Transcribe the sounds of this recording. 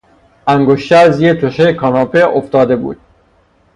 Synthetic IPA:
ʔæŋɡoʃt̪eæzjet̪ʰoʃejkʰɒːnɒːpeʔoft̪ɒːd̪e̞bṵːd̪̥

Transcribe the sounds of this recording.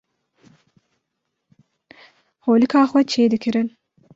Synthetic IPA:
hoːlɨkʰaːxwɛt͡ʃʰeːd̪ɨkʰɨɾɨn

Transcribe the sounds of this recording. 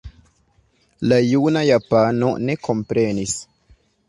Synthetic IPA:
lajunajapano̰ne̞kʰo̞mpɾe̞nis

